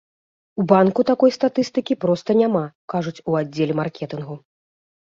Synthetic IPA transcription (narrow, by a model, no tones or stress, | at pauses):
ubankut̪akɔjst̪at̪ɨst̪ɨkʲipɾɔst̪ɐnʲamakaʐut͡sʲuadd͡zʲːelʲɛmarkʲɛt̪ɨnɣu